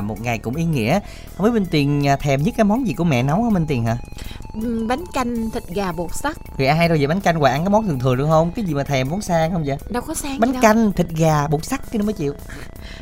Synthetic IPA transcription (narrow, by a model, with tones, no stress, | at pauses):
mo˨˩t̚ŋa˨˩jkʊ̰˧˥ŋ͡mʔi˧ŋḭ˧˥ə˨˧ | məː˨˦jɓe˧nt̪i˨˩ənː˨˩t̪ʰɛ˨˩mɲɨ˦˥t̚kaː˨˦jmɔ˨˦nzi˨˩ku˧˩əmɛ̰˧˨na˨˦whə˧wŋ͡mɓe˧nt̪i˨˩ənɦaː˨˩˨ | ɓa˨˦jŋka˧jŋ̟t̪ʰï˨˩t̟̚ɣaː˨˩ɓu˨˩k̚sa˦˥k̪̚ʰi˨˩ʔa˧ɦa˧jɗo˧zə˨˩ɓjn̟ka˧jŋ̟kwaː˧˨˧nkaː˨˦mɔ˨˦nt̪ɨ˨˩ŋt̪ʰɨ˨˩əŋɗɨ̰˧˨əhə˧wŋ͡mkaː˨˦jzi˨˩maː˨˩t̪ʰɛ˨˩mvɔ˨˦nsaː˧ŋhə˧wŋ͡mzə̰˧˨˦ɗə˧wkɔ˨˦saː˧ŋɓa˨˦ŋ˧a˧jŋ̟t̪ʰï˨˩t̚ɣaː˨˩ɓu˨˩k̚sa˦˥k̚kːə˨˧˦məː˨˦t͡ɕḭ˧˨əw